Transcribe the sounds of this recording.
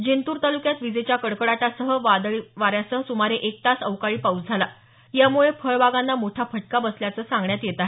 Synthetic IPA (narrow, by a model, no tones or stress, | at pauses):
d͡ʑent̪uːɾt̪alukjat̪ʋid͡zet͡ɕjakəɽkəɽaʈasəɦəʋad̪ɭiʋaɾjasəɦsumaɾeʔek̚t̪asəʋkaɭiːpaut͡sd͡zʱala | jamuɭefʰəɭbaɡanːamoʈʰafəʈkabəsljat͡səːsãŋɡɳjat̪jet̪aɦe